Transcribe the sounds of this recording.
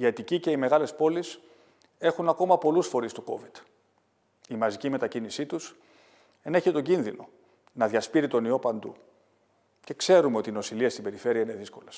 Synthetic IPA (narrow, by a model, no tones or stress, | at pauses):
iɐt̪icice̞ime̞ɣɐle̞spo̞lis | e̞xunɐko̞mɐpo̞lusfo̞ɾist̪uko̞̰vid̪̥ | imɐzicime̞t̪ɐcinisit̪us | e̞ne̞çit̪o̞ɲɟinðino̞ | nɐðʝɐspiɾit̪o̞nio̞pɐnd̪ṵ | ce̞kse̞ɾumeo̞t̪ino̞siliɐst̪ibe̞ɾife̞ɾiɐine̞ðisko̞les